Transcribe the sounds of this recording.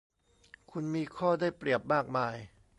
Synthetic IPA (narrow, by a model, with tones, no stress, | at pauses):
kʰu˧nmiː˧kʰɔː˥˩daː˥˩jpɾi˨˩əp̚maː˥˩k̚maː˧j